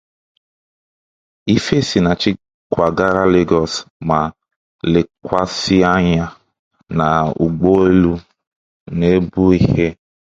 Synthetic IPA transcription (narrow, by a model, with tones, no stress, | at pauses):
i˦fe˦si˨na˨t͡ʃɪ˦ | kʷa˨ɡa˦ɾa˦le˦ɡɔ˨sma˨ | le˨kʷa˦si˦a˦ɲa˦ | na˨ṵ˨ɡ͡bo˦e˦lu˦ | ne˦bu˦i˦he˦